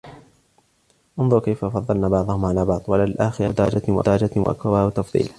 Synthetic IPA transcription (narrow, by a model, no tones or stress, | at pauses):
ʔɑnðˤʊɾkajfafɑðˤːɑlnaːbɑʕd̪ˤʊhʊmʕalaːbɑʕd̪ˤwalalʔaːxɪɾad̪aɾˤɑd͡ʒawa̰d̪ɑɾˤɑd͡ʒawa̰ʔa̰kɾabawat̪ɑfðˤḭːla